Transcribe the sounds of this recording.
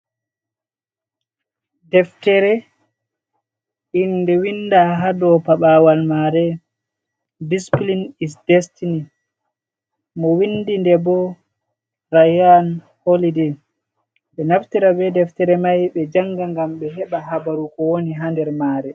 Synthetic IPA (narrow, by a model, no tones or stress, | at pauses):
dɛftɛɾɛ | indɛwinːdaɦadɔpaɓawalmaɾɛ | displinisdɛstini | mɔwinːdindɛbɔ | ɾajan | holidɛ | ɓɛnaftiɾabɛdɛftɛɾɛmajɓɛd͡ʒaŋːɡaŋɡamɓɛɦɛɓaɦabaɾukɔwoniɦandɛɾmaːɾɛ